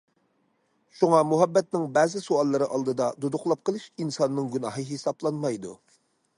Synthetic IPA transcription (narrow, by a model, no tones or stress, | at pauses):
ʃuŋɑmuɦɛbːɛt̪̚nɪŋbɛzɪsuɑlˠːɨɾɨʔɑlˠd̪ɨd̪ɑd̪ud̪ʊqlˠɑp̚qəlˠɨʃinsɑnːɨŋɡʲynɑɦɨɦesɑblˠɑnmɑjd̪ṵ